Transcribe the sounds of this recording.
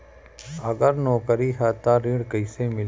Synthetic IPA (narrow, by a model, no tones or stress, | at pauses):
əɡəɾnɔːkəɾiːɦət̪aːɾiːɽkəɪsemɪl